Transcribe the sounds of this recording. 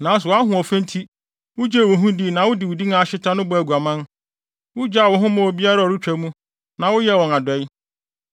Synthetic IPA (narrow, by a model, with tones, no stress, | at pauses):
nãː˨˦s̬ʊ˨a˦ɦʊ̃˨ɔ˨fɛ̃˦n˦tʰi˦ | wʊ˦d͡ʑe˦˨wʊ˨ɦũ˦di˦˨nã˨wʊ˦dɪ˨wʊ˨di˦ŋã˨ɕɪ˦tʰã˦nʊ̃˦bʊ˨˦æ˨ɡu˨a˨mã˦n | wʊ˦d͡ʑa˦˨wɔ̃˨ɦʊ̃˦mã˦wɔ˨bi˦a˦ɾa˦˨ɔ˨ɾu˦t͡ɕᶣæ˨˦mũ˦ | nã˨wʊ˦jɛ˦wɔ̃˨na˨dɔ˨˦i˦